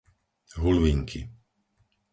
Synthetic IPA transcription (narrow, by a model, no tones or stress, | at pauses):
ɦulʋiːŋkʰḭ